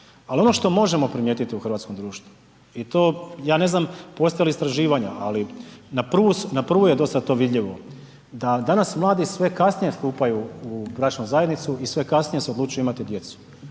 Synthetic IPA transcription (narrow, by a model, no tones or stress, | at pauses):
alio̞no̞ʃt̪o̞mo̞ʒe̞mo̞pɾimjeːt̪it̪iuxr̩ʋat̪sko̞md̪ɾuːʃt̪ʋu | it̪o̞ːjaːne̞znampo̞st̪ajalist̪ɾaʒiːʋaɲaʔalinapr̩ʋusnapr̩ʋuje̞d̪o̞st̪at̪o̞ːʋid̪ʎiʋo̞ | d̪ad̪anasmlˠaːd̪isʋe̞kasnije̞st̪uːpajuubɾat͡ʃnuzajed̪nit̪suisʋe̞kasnije̞seod̪luːt͡ʃujuimat̪id̪je̞t̪su̥